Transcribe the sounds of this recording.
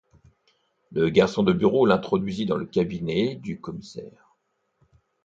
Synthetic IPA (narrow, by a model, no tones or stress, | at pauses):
ləɡaʁsɔ̃d̪əbyʁolɛ̃t̪χɔd̪ɥizid̪ɑ̃ləkʲabinɛd̪ykɔmisɛ̰ːʁ